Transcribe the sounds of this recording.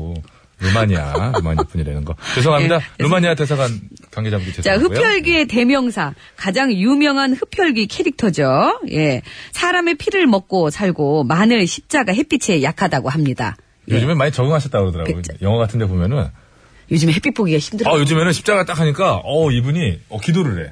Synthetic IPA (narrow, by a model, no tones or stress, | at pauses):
ɾɯmaɲia̰ɾɯma̰ɲip͈uɲiɾenɯnɡʌkes̬ʰʌŋɦamidaɾɯmaɲiates̬ʰaɡankwaŋɡed͡ʑamɡuɡitet͡ɕahɯpʰjʌɭɡie̞te̞mjʌŋsʰa | kad͡ʑaŋjumjʌŋɦanɸɯpʰjʌɭɡikʰe̞ɾik̚tʰʌd͡ʑojʔe̞sʰaɾamepʰiɾɯɭmʌk̚k͈osʰaɭɡomanɯɭɕʰip̚t͡ɕ͈aɡaɦe̞p͈it͡ɕʰe̞jakʰadaɡoɦamɲida̰ | jod͡ʑɯmemaɲit͡ɕʌɡɯŋɦaɕʰʌt͈akɯɾʌdɯɾa̰ɡojʌŋʌɡatʰɯnde̞bomjʌnɯn | jod͡ʑɯmeɦep͈ʰip͈oɡiɡaçʰimdɯajod͡ʑɯmenɯnɕʰi̥p̚t͡ɕ͈aɡat͈akʰaɲik͈aʌibuɲiʌkidoɾɯɾe̞̰